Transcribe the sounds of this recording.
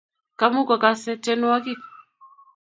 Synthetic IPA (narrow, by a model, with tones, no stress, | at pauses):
ka˦mu˦ka˨ka˦sɛ˦tɛ˦nu˦a˦ki˦